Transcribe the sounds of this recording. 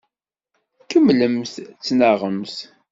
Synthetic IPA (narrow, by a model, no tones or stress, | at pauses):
kəmləmθt͡sːnəʁəmθ